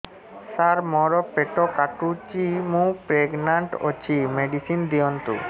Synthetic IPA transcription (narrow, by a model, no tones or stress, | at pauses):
saɾmɔɾɔpeʈɔkaʈut͡ʃimũpɾeɡnaɳʈo̰t͡ɕimeɖisind̪ijɔnt̪ṵ